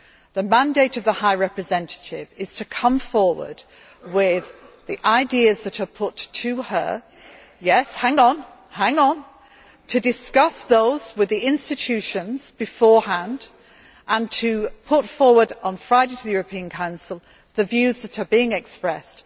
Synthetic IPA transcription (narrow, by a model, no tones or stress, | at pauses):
ðəmæ̃ndeɪɾʌvðəhaɪɹɛpɹɨzɛ̃ntʰə̥tɪvɪz̥tʰɨkʰʌ̃ɱfɔɹwə̰˞d̥ | wɪð | iʔaɪdiɨzðɨɾə˞pʰʊtʰɨə̰ | jɛshæ̃ŋə̃n | hæ̃ŋə̃n | tʰɨdɨskʌsðoʊz̥wɪðiɪ̃nstɨt͡ʃʰʉʃɨ̃nz̥bɨfɔɹhæ̃nd | ʔə̃ntʰɨpʰʊtfɔɹwə˞ɾn̩fɹaɪɾeɪtʰəðɨjʊɹəpʰĩə̃nkʰãʊ̃nsəl̩ˠ | ðɨvjʉzðəɾə˞biɪ̃ŋɛkspɹɛst